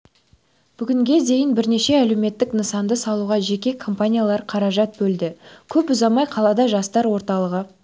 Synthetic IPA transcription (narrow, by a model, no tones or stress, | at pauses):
b̥ʏɡʲɪŋɡʲe̞d̪e̞jɪnbɪɾne̞ʃe̞ælewme̞t̪ːɪknəsɑnd̪əsɑlˠuʁɑʒe̞kʲe̞kʰo̞mpanʲijalˠɑɾqʰɑɾɑʒɑt̪̚bɵld̪ɪkʲʰɵpʊzɑmɑjqʰɑlˠɑd̪ɑʒɑst̪ɑɾwo̞ɾt̪ɑlˠəʁə